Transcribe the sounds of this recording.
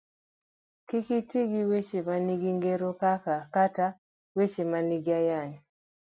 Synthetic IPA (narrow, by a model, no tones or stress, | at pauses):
kikitiɡiwet͡ʃemaniɡiŋɡeɾokakakata | wet͡ʃemaniɡiajaɲ